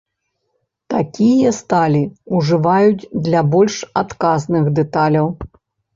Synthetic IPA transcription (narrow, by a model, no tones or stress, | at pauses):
t̪akʲijɐst̪alʲiuʐɨvajud͡zʲd̪lʲabɔlʲʂat̪kaznɨxd̪ɛt̪alʲɐw